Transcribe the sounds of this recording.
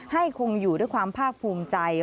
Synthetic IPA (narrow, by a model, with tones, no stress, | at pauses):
ha˥˩jkʰo˧ŋjuː˨˩du˥˩jkwaː˧mpʰaː˥˩k̚pʰuː˧mt͡ɕa˧j